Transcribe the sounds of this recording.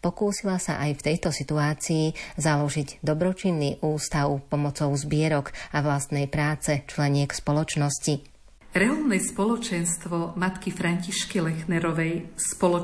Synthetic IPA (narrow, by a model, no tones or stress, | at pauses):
pɔkuːsilasa̰ʔajft̪ɛjt̪ɔsit̪uaːt͡siiːzalɔʒiɟd̪ɔbɾɔt͡ʃinːiʔuːst̪aʊpɔmɔt͡sɔʊzbɪɛɾɔɡaʋlast̪nɛjpɾaːt͡sɛt͡ʃlɛɲɪɛkspɔlɔt͡ʃnɔsci | ɾɛɔlnɛspɔlɔt͡ʃɛnst̪ʋɔmat̪kifɾaɲciʃkilɛxnɛɾɔʋɛjspɔlɔ